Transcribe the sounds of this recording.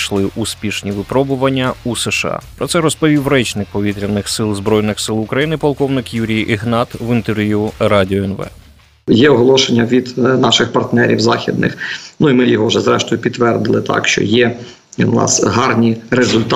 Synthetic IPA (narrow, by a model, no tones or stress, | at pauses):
ʃlˠɪʔuspʲiʃnʲiʋɪpɾɔbʊʋɐnʲːɐusɛʃɑ̰pɾɔt̪sɛɾɔspɔʋʲiwrɛt͡ʃnɪk̚pɔʋʲit̪ɾʲiɐnɪxsɪlˠzbɾɔjnɪxsɪlˠʊkɾɐjinɪpɔlˠkɔwnɪkjuɾʲijʔɪɦnɑt̪ʋɪnt̪erʋʲjuɾɑdʲiɔɛnʋɛ̰ | jɛɔɦɔlˠɔʃenʲːɐʋʲid̪nɑʃɪxpɐrt̪nɛɾʲḭwzɑxʲid̪nɪ̰xnuimɪjɔɦɔwʒɛzɾɛʃt̪ɔjʊpʲidt̪ːʋɛrd̪ɪlˠɪt̪ʰɑ̰kʃt͡ʃɔ̰jɛ | nɑ̰sɦɑrnʲiɾezʊlʲt̪